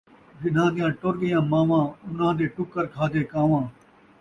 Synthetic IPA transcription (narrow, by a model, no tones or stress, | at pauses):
ʋɪnãːd̪ɪjãːʈoɾɡɪjãːmãːʋãːʊnãːd̪eːʈʊkːəɾkʰaːd̪eːkãːʋãː